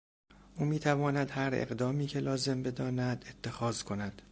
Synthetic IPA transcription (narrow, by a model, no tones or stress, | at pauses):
ʔuːmiːt̪ʰævɒːnæd̪hæɾḛɣd̪ɒːmiːcʰe̞lɒːze̞mbe̞d̪ɒːnæd̪e̞t̪ʰːe̞xɒːzkʰo̞næd̪̥